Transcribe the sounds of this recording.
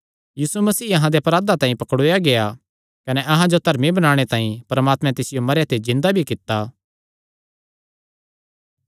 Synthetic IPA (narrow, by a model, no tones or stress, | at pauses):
jiːsumɐsiːɐɦãd̪epɾaːd̪at̪ãːĩpɐkɽoːjaɡeja | kɐneʔɐɦãd͡ʒot̪ɐɾmĩbɐñaːɽ̃et̪ãːĩpɐɾɐmaːt̪mɛ̃t̪ɪsɪjomɐɾjat̪ʰezɪ̃nd̪abʱikɪt̪ːa